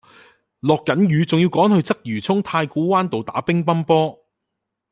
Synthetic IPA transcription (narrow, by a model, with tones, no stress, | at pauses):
lɔː˨kːɐ˨˥njyː˨˥t͡sʊ˨˩ŋji˧wkɔː˨˥ŋhɵ˧ɥt͡sɐ˥k̚jyː˨˩t͡sʰʊ˥ŋt̪ʰaː˧jkuː˨˥waː˥nt̪o˨wt̪a̰ː˨˥pɪ˥ŋpɐ˥npɔː˥